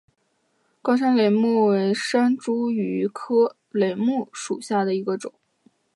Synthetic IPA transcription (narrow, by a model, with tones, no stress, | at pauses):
kɑ˥ʂa˥nle˨˧˩ɪmu˥˩we˧˥ɪʂa˥nʈ͡ʂu˥y˧˥kʰɤ˥ | le˧˥˩ɪmu˥˩ʂu˨˩ɕja˥˩d̪ə˩i˧˥ɡə˧ʈ͡ʂʊ̰˨˩˦ŋ